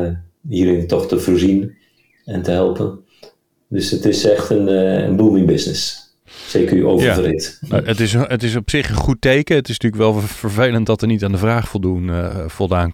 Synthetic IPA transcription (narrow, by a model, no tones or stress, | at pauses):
iːəɾɪnətɔxtəfoɹzin | ɛntəɦɛlˠpən | døsətɪsɛxtənə̰nbulmɪŋbɪsnɪs | seːkəɹyʔo̰ːwvəaərɪtoətɪsətɪsɔpsɪχənχutejkəətɪstyːkʋɛlˠfəɹvejləntdɔtəɹnitaːndəvraːχfɔlˠdunfɔlˠdaːn